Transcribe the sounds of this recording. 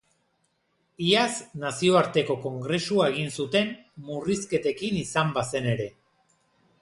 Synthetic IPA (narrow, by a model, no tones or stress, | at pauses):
iaznasio̞aɾt̪e̞ko̞ko̞ŋɡɾe̞suae̞ɣ̞insut̪e̞mmuriske̞t̪e̞kinisambase̞ne̞ɾe̞